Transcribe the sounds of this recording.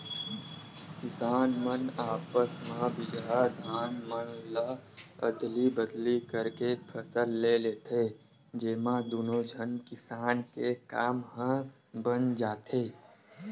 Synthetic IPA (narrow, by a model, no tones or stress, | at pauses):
kɪsaːnmənaːpəsmãbɪd͡ʒad̪ʱaːnmənlaə̰d̪libəd̪likəɾkepʰəsəlːeleːt̪ʰe | d͡ʒeːmãd̪oːnod͡ʒʱənkɪsaːnkekaːmɦə̃ | bənd͡ʒaːt̪eː